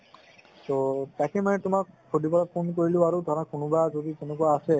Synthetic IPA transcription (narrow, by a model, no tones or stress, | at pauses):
tɔtakʰɛmanɛtʊmakʰːodipɔlapʰonkoɹilʊ̃aɹudʱaɹakʊnʊbazodizɛnɛk̬uaasɛ